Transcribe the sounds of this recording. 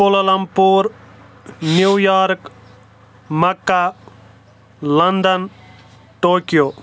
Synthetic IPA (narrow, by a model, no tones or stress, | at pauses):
polɐlɐmpuːɾ | njuwjaːɾk | mɐkːa | lɐnd̪ən | ʈoːkijoː